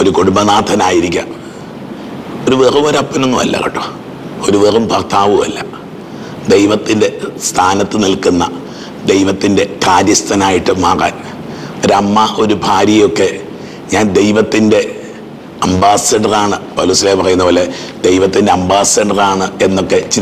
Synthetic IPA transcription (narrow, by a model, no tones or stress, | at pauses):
o̞ɾukoɽumbɐnaːd̪ʱɐnaːjiɾikʲːa̰ | o̞ɾuʋerɐmɐɾɐpːɐnonːuʋɐ̰lːɐ̰kɐ̰ʈːu̥ | o̞ɾuʋerumpɐrt̪ʰaːʋumɐ̰lːɐ | d̪e̞jʋɐt̪ːinde̞st̪ʰaːnɐt̪ːɨnilkunːɐ | d̪e̞jʋɐt̪ːinde̞kaːɾjɐst̪ʰɐnaːjiʈːɨmaːra̰ːn | ɐɾɐmːɐʔo̞ɾubʱaːɾjɐjo̞kːe̞ | ɲaːnd̪e̞jʋɐt̪ːinde̞ | ɐmbaːsɐɖɐraːɳɨpɐ̰luːsilepɐrɐjunːɐpoːle | d̪e̞jʋɐt̪ːinde̞ɐmbaːsɐɖɐraːɳɨe̞nːo̞kːe̞t͡ɕi